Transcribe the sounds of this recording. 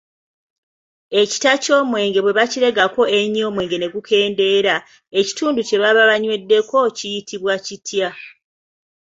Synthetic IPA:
e̞ci̥taco̞ːmwe̞ːŋɡe̞βwe̞βaciɾe̞ɡako̞e̞ɲo̞ːmwe̞ːŋɡe̞ne̞kukʰe̞ːnde̞ɾa | e̞ci̥tuːnduce̞βaβaβaɲwe̞dːe̞ko̞cijitiβwacitʰja

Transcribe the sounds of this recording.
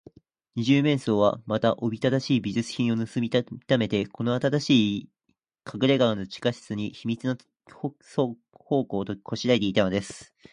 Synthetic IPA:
ɲ̟iʑɨːmẽ̞ɰ̃so̞ːβa̰mat̪aʔobʲit̪ad̪aɕiːbʲiʑɨt͡sɨ̥çĩɰ̃o̞nɯsɨmʲit̪ame̞t̪e̞ko̞no̞at̪aɾaɕiː | kʰaɡɯ̟ɾe̞ɡaɯno̞t͡ɕi̥kaɕi̥t͡sɨɲ̟içimʲit͡sɨno | so | ho̞ːko̞ːt̪okʰo̞ɕiɾait̪e̞it̪ano̞d̪e̞sɨ̥

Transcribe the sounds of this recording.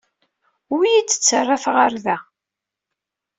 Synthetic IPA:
wijit͡sːə̥t͡sːərˤːafʁaɾðæ

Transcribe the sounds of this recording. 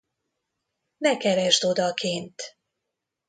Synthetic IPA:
nɛkɛɾɛʒd̪o̞d̪ɒkʰeːnt̪

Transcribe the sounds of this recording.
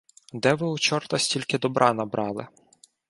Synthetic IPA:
d̪ɛʋɪut͡ʃɔrt̪ɐsʲtʲilʲkɪd̪ɔbɾʔɑnɐbɾʔɑlˠɪ

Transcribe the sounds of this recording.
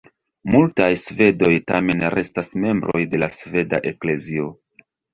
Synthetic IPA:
multajsve̞do̞jta̰me̞nɾʔe̞stasme̞mbɾo̞̰jde̞lasve̞da̰ʔe̞kle̞zio̞

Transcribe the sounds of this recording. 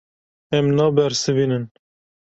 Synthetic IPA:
ɛmnɑːbɛɾsɨviːnɨn

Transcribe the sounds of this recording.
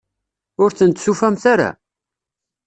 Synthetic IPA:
ʊɾθənt̪sufæmθaɾa̰

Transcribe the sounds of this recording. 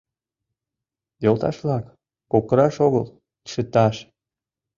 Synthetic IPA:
jolt̪ɑ̰ʃβlɑk | pokəɾɑʃoɣəlˠ | ʃə̆t̪ɑʃ

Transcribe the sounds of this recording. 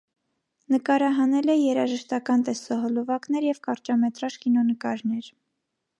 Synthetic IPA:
nəkɑɾɑɦɑnɛlɛjɛɾɑʒəʃt̪ɑkɑnt̪ɛsɔɦɔlɔvɑknɛɾjɛvkɑɾt͡ʃɑmɛt̪ɾɑʃkinɔnəkɑɾnɛɾ

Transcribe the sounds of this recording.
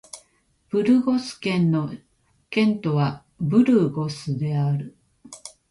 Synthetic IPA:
b̥ɯ̟ɾɯ̟ɡosɨ̥kẽ̞nːo̞ | kẽ̞nt̪o̞βa | bɯ̟ɾɯɡo̞sɨd̪e̞aɾɯ̟

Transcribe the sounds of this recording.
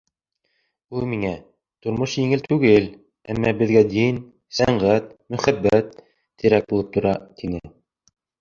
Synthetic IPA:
ulˠmiŋæ | t̪ŏɾmoʃjiŋɘlt̪ʰʉɡɘl | æmːɑbɘ̆ðɡæd̪in | sæɴɢæt̪̚mɵ̆χæbːæt̪ː | ɘ̆ɾæk̚bulˠɤp̚t̪ʰŏɾɑt̪ʰinɘ

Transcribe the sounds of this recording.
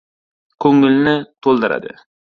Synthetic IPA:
kʲʰɵŋːɪlnɪt̪ʰolˠd̪ɨɾa̰d̪ɪ̰

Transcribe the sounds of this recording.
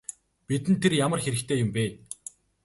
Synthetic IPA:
pit̪ɘ̆nt̪ʰːerjamə̆rxeɾɘ̆kt̪ʰeːjʊmpæːn

